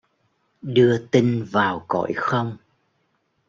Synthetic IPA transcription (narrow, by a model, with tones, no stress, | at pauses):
ɗɨ˧ət̪i˧ŋvaː˨˩wkɔ̰˧˨jxə˧wŋ͡m